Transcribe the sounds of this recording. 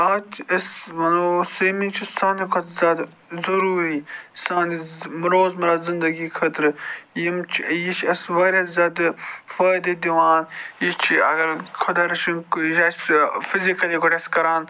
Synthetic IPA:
aːtɐsʋɐnoseːmit͡ʃʰisaːnikʰot͡szʲaːd̪ | zɐɾuːɾisaːnimɾoːzmɐɾaːzɪnd̪ɐɡikʰɐt̪ɾɨjimt͡ʃʰjit͡ʃʰɐsʋɐɾʲɐzʲaːd̪fɐːjd̪ed̪iʋaːnit͡ʃʰiɐɡɐɾkʰod̪ɐɾɐt͡ʃinkasfizikɐliɡoʈɐskɐɾaːn

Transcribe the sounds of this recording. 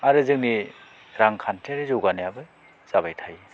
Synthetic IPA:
aɾɯzɯŋ̚ni | ɾaŋkʰantʰeɾɯzowɡanejabɯ | z̥aβajtʰaj

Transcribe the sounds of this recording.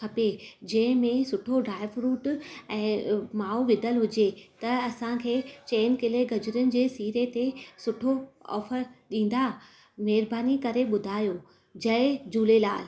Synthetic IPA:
kʰɐped͡ʑɐ̃ɦɪ̃mẽsʊʈʰoɖɾaːɪʋɾuːʈɛ̃ːmaːuʋɪd̪ʱəlɦʊd͡ʑet̪ɐɐsãkʰeːt͡ɕeːnkɪleɡɐd͡ʑʊɾənɪ̆d͡ʑeːsiːɾet̪esʊʈʰoɔ̰ːfəɾɗĩːn̆d̪a | mɛːɾbʱaːnikɐɾeɓʊd̪ʱaːjo | d͡ʑɐɪd͡ʑuːlelaːl

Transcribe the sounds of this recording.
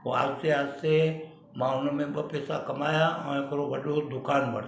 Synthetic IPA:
oa̰ːsseaːsse | mãːʊnmẽbəpɛːsakɐmaːjaɐ̰̃ẽkɾobɐɗod̪ʊkaːnbɐ̰ɽ

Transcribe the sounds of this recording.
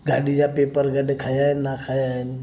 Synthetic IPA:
ɡa̰ːɗid͡ʒaːpeːpəɾɡəɗekʰaːjannakʰaːjan

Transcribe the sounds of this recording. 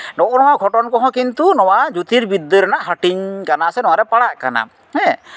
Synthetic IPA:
nɔʔɔnɔwaʔɡʰʱɔʈɔnkɔɦɔ̃kint̪unɔwad͡ʒut̪iɾbid̪ːəɾanaʔɦəʈiɲkanasɛnɔwaɾɛpaɽaʔkana̰ | hɛ̃

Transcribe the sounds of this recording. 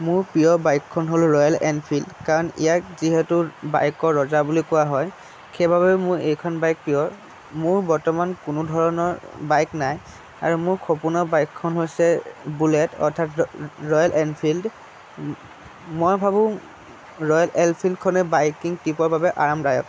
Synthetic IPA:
mʊɹpijɔbajkʰːɔnɦolɹɔjalɛ̰npʰildkaɹɔnḭjakziɦɛtuba̰jkɔɹɔzabulikʊwaɦɔj | kʰebʱaβɛmʊɹejkʰɔnbajk̚pijɔɹ | mʊɹbɔɹtɔmankʊnʊdʱɔɹɔnɔɹbajknaj | a̰ɹumʊɹkʰopunɔbajkʰːɔnɦojsɛbulɛtɔ̰ɹtʰatɹɔjalʔɛnpʰild | mɔjbʱabʊ̃ | ɹɔjalʔɛlpʰildkʰɔnɛbajkiŋtipɔɹbʱabɛʔaɹamdajɔ̰k

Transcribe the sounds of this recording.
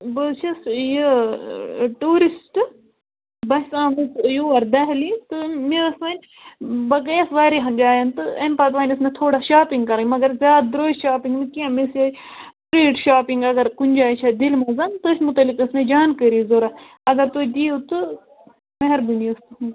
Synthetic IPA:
bɨt͡ʃʰɐsji | ʈuːɾisʈ | bɐsãːmisjuːɐɾd̪ɐɦlit̪ɨmiɾɐsmɐnʲ | bɐɡɐjɐsʋaːɾeɦɐnd͡ʒaːjɐnt̪ɨenpɐt̪ʋaːnʲɐsmet̪ʰoːɽaʃaːpiŋɡkɐɾamɐɡɐɾzʲjaːd̪̚d̪ɾoːʃaːpiŋɡmikiamisjɐpɾeːʈʃaːpiŋɡɐɡɐɾkunʲd͡ʒaːjt͡ʃʰɐd̪ilmɐzɐnt̪ɨsmut̪ɐlːikɐsmed͡ʒaːnkəɾiːzoɾa | ɐɡɐɾt̪od̪iːot̪ɨ | mɐɦɐɾbiniɐst̪ɨ

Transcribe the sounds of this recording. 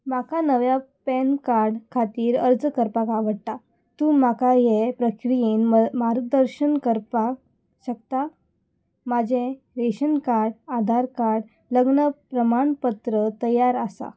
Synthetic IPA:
makanəʋjapɛnkaɾɽkʰat̪iːɾəɾd͡zəkəɾpakaʋəɽt̪a | t̪ũːmakajepɾəkɾijinmaɾd̪əɾɕənkəɾpa | ɕəkt̪a | mad͡ʑẽ | ɾeɕənkaɾɽad̪ʱaɾkaɽ | ləɡɳəpɾəmaɳpət̪ɾət̪əjaɾasa̰

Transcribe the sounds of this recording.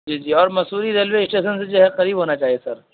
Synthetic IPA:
d͡ʒiːd͡ʒiːɔːɾmɐsuːɾiɾeːlʋweɪsʈeːʃənsed͡ʒoɦɛqɐɾiːbʱɦoːnat͡ʃaːɦiesɐɾ

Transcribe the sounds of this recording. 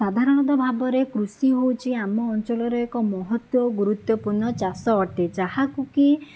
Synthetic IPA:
sad̪ʱaɾɔɽ̃ɔd̪̬ɔbʱabɔɾekɾusiɦowt͡ʃʰiamɔːnt͡ʃɔlɔɾɔekɔmɔɦɔt̪wɔɡuɾut̪wɔpuɾɳɔt͡ʃasɔːʈed͡ʒahakuki

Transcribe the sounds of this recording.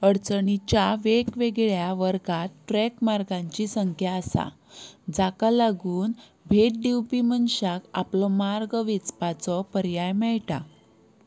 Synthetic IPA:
əɽt͡səɳit͡ɕjaʋekʋeɡɭjaʋəɾɡat̪ʈɾɛkmaɾɡãɲt͡ɕisəŋkʰjaːsa̰ | d͡zakalaɡuːn | bʱeʈ̚ɖiwpimənɕaka̰plɔmaɾɡʋit͡spat͡sɔpəɾjajmɛɭʈa̰

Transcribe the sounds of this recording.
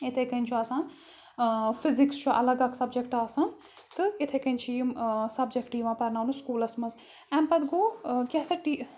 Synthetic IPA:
ɪt̪ʰekɐnʲt͡ʃʰuaːsãn | fʰɪzɪkst͡ʃʰuʔɐ̰lɐɡɐksɐbd͡ʒekʈaːsãn | t̪ɨɪt̪ʰekɐnt͡ʃʰiːmsɐbd͡ʒekʈiːʋãːpɐɾnaːnuskuːlɐsmɐz | ɛmpɐd̪ɡoːkʲɛsɐʈi

